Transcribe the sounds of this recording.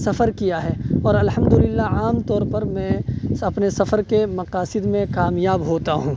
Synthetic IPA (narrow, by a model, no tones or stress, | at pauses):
sɐfəɾkijaɦɛːɔːɾɐlɦɐmd̪ʊlɪlːaaːmt̪ɔːɾpɐɾmɛ̃ːɐpnesɐfəɾkemɐqaːsɪd̪mẽkaːmjaːbɦoːt̪aɦũː